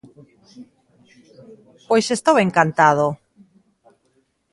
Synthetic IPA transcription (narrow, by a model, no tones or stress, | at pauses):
pojsest̪oweŋkant̪aðo